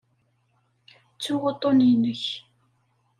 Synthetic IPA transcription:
t͡sːuʁot̪ˤːoninəç

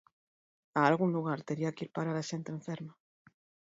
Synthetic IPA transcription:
aːlɣuŋluɣ̞aɾt̪eɾiakiɾpaɾaɾaʃent̪ẽɱfeɾma

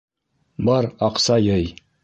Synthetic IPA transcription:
bɑɾɑqsɑjɤj

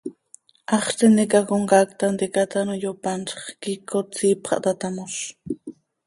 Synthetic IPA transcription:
ɑχt͡senekakoŋkakt̪and̪ekat̪anojopanʃɑ̥χkikot͡siːpχɑ̰ʔt̪at̪amoʃ

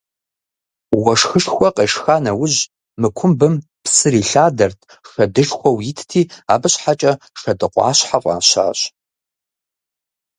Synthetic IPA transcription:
wɐʂxɨʂxʷɔqʼɐʂxaːnɐwʊʑ | mɨkʷʰʊmbɨm | pʰsɨɾiːɬaːdɐrtʰ | ʂɐdɨʐxʷɔwjɪtʰtʰiːa̰ːbɨɕħat͡ʃʼɐ | ʂɐdɨqʷɑ̰ːɕħaqʷʼa̰ːɕa̰ːɕ

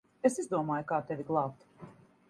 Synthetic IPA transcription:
esizd̪uɔmaːjukaːt̪ɛvʲiɡlˠɑːpt̪

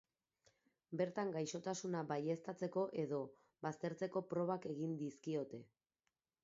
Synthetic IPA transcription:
be̞ɾt̪aŋɡajʃo̞t̪asunabaje̞st̪at͡se̞ko̞ʔe̞ðo̞ | bast̪e̞ɾt͡se̞ko̞pɾo̞β̞ake̞ɣind̪iskio̞t̪e̞

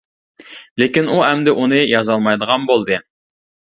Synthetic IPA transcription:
lekʲinuɦɛmd̪ɪʔunɨjɑzɑlˠmɑjd̪əʁɑnbolˠd̪ɨ

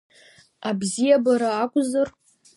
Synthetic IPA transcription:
abzijabaɾaːkʷʼzɨr

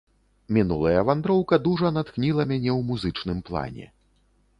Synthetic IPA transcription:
mʲinulˠɐjɐvand̪ɾɔwkɐd̪uʐɐnat̪knʲilˠɐmʲanʲɛwmuzɨt͡ʂnɨmplˠa̰nʲɛ̰

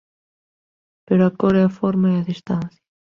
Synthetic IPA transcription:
peɾoakɔɾɛafɔɾmaeɐðist̪anθjḁ

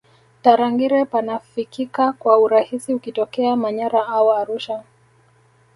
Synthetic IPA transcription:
taɾaŋɡiɾɛpanafikikakwauɾahisiukitɔkɛamaɲaɾaaɔaɾuʃa

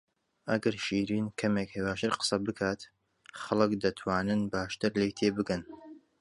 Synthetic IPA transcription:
ʔɐɡɐɾʃiːɾiːnkʰɐmeːkhewaːʃɨɾqə̥sɐbɨkʰaːt̪ | xɐlˠɨkd̪ɐt̪ʰwaːnɨnbaːʃt̪ɨɾlejt̪ʰeːbɨkɐn

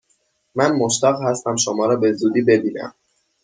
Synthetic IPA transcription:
mænmoʃt̪æɣhæst̪æmʃomɒːɾɒːbe̞zuːd̪iːbe̞biːnæ̰m

